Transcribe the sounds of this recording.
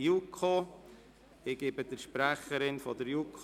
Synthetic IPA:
jukʰo | ɪɡ̥ɪbəd̥əɾʃpɾæχəɾɪnfɔdəɾjukʰ

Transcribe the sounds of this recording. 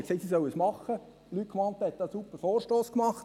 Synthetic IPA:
kseːtsisœwəsmɑχə | lytkmɑnt̪ːəhɛt̪̚d̪ɑsupːəɾfoːrʃtoːskmɑχt

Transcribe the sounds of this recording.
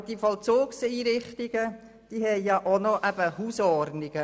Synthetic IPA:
d̥ifɔlt͡soːksiːɾɪχtɪɡ̥ə | d̥iːɦɛɪjɑʔonoʔæb̥əhuːsɔrnɪɡ̥ə

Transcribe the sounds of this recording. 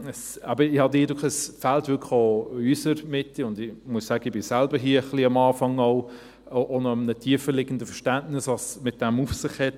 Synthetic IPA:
əsɑbəɪhɑdɪːdʊkχəsfæltvʏɾkʰχoysəɾmɪtːiʊndɪmuəssæːɡ̥əɪbɪsælbəɾɦiːɐχliɑmɑːfɑŋɔʊ | ʔonɔmnətʰiəfəlɪɡəndəfəɾʃtæntnɪsɑsmɪt̚d̥ɛmufsɪχhɛt

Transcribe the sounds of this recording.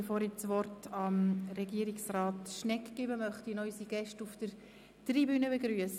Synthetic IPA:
əfoːɾɪt͡sʋɔrtɑmɾɛɡiəɾiksrɑːtʃnɛkɡ̥ɪːbəmœχtinɔʏsiɡ̥ɛʃtufd̥əɾ | tribyːnəbeɡɾyəs

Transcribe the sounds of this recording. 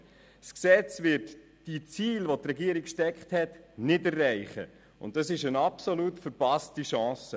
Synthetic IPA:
sksɛt͡svɪɾt | d̥it͡siːlʋotrɛɡiəɾikʃtɛkχthɛtnɪdɛrːæɪχə̰ | ʊ̰ntdɑsɪʃənɑpsolutfəɾpɑstiʃɑ̃ːsə

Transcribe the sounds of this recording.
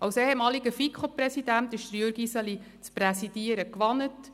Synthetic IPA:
ɑwseːɛmɑːliɡəfikχoprɛsid̥æntɪʃd̥̪əɾjøɾɡisɑli | t͡sprɛsid̥iəɾəkʋɑnət

